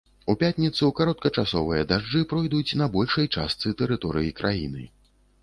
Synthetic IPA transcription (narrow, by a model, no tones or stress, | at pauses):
upʲat̪ʲnʲit̪sɨkaɾɔt̪̚kɐt͡ʂasɔvɨjɐd̪aʐd͡ʐɨpɾɔjd̪ut͡sʲnɐbɔlʲʂɐjt͡ʂast̪sɨt̪ɛɾɨt̪ɔɾɨjikɾʔajḭnɨ̰